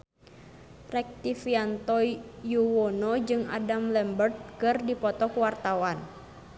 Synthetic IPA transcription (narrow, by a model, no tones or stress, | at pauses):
rɛk̚t̪ifiant̪ɔjuwɔnɔd͡ʒɨŋa̰damlɛmbərt̪̚kɨrdipɔt̪ɔkuwart̪awan